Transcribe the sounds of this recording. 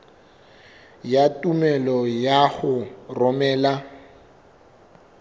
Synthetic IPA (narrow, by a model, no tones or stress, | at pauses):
jatʼumɛlɔjaχʊrɔmɛːla